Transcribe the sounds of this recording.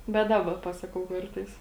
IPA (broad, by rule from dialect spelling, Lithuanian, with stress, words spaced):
bʲɛt ˈdɑːbɐ ˈpɑːsɐkɐʊ ˈkɐrtɐɪs